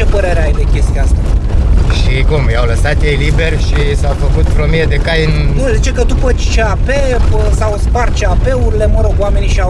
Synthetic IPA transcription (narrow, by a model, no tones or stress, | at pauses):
e̞pəɾeɾeajd̪e̞kʲe̞st̪iaast̪aʃikumjawləsat̪jejlibe̞rʲʃisawfəkut̪fɾomijed̪e̞kajɨnnuezit͡ʃe̞kəd̪upət͡ʃt͡ʃeape | sawspart̪̚t͡ʃeape̞uɾile̞məɾo̞ɡwame̞niʃia